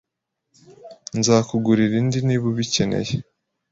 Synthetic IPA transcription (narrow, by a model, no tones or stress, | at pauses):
nzaːkuɡuɾiɾindiniːβuβice̞nḛje